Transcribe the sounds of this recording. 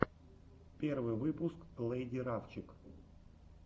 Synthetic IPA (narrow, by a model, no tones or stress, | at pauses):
pʲe̞rvɨjvɨpʊsklˠejdʲiɾaft͡ɕɪk